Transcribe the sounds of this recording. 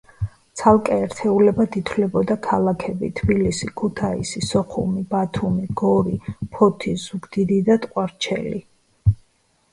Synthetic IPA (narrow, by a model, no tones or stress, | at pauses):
t̪sʰalˠkʼɛːɾt̪ʰɛulɛbad̪it̪ʰlɛbɔd̪akʰalˠakʰɛbḭt̪ʰbilisikʰut̪ʰaḭsisɔχṵmibat̪ʰumiɡ̥ɔɾipʰɔt̪ʰizuɡd̪id̪id̪at̪ʼqʼwaɾt͡ʃʰɛ̰li